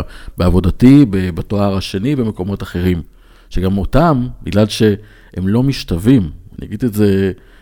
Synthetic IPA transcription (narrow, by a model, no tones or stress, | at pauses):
beavo̞datibebatoaʁaʃe̞nivemeko̞mo̞taχe̞ʁim | ʃeɡamo̞tambiɡlalʃe̞ | ʔemlo̞miʃtavimanḭja̰ɡidetze̞